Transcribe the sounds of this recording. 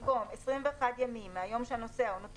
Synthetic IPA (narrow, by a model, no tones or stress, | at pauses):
ɡomesʁimve̞ːχadjamimːeajo̞mʃeano̞seaunot